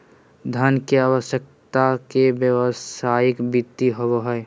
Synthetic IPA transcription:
d̪ʱənkeaːwəʃjək̚t̪akebjəwəsaːjɪkbit̪ːiɦowɦɛe

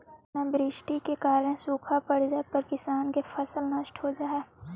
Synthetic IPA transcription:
nabɾɪʃʈikekaːɾəɽ̃ẽsuːkʰapəɽ̤d͡ʒaːepəɾkɪsaːnkefʰɐsəlnɐʃʈɦod͡ʒaːɛː

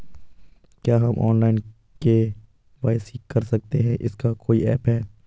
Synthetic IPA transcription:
kjaːɦɐmʔɔ̰ːnlaːɪn | ke | ʋaːɪsikɐɾsɐk̚t̪eɦɛ̃ʔɪskakoːiɛːpɦɛː

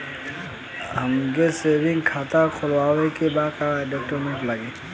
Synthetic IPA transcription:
ɦəmkesebɪ̃ŋɡkʰaːt̪akʰʊlwaːwekebaːkaɖek̚ʈomeʈləɡe

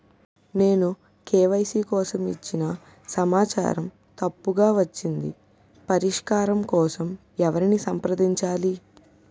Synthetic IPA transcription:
ne̞ːnu | keːʋɐjsiːkɔːsɐmit͡ʃːinɐ | sɐmaːt͡ʃa̰ːɾɐm | t̪ɐpːuɡaːʋɐt͡ʃːind̪ḭ | pɐɾiʂkaːɾɐmkɔːsɐm | ɛʋɐɾinisɐmpɾɐd̪iɲt͡ʃaːli

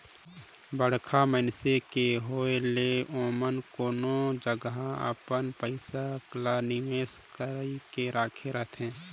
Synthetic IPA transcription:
bəɽ̤kʰamənsekeɦoːeleoːmənkoːnod͡ʒəɡɦaə̰pənpəɪsaklanɪʋeːskəɾikeɾaːkʰeɾət̪ʰɦɛ̃ː

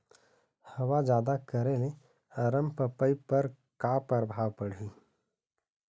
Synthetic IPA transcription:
hɐwad͡ʒjaːd̪akəɾele | ɐɾəmpəpəipəɾ | kaːpəɾbʱaːwpəɽ̤iː

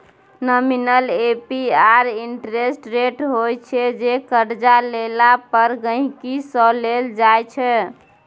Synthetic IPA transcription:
nəminəlepiaɾiɳʈɾesʈɾeʈɦojt͡ʃʰɛd͡ʒekəɾd͡ʒalelapəɾɡəɦĩkisəleld͡ʒajt͡ʃʰɛ

